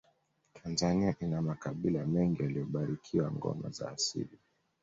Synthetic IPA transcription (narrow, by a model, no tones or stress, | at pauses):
tʰanzaniaʔinamakaɓilamɛŋɡijalijɔɓaɾikʰiwaŋɡɔ̰ma̰za̰ːsḭli